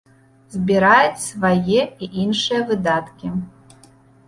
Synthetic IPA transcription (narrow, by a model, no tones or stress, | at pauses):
zʲbʲiɾajɛt͡sʲsvajɛiʔinʂɨjɐvɨd̪at̪kʲi